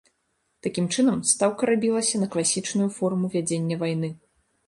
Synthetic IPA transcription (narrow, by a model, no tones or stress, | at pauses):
t̪akʲimt͡ʂɨnɐmst̪awkɐɾabʲilˠɐsʲɐnɐklˠasʲit͡ʂnujufɔrmuvʲad͡zʲenʲːɐvajn̪ɨ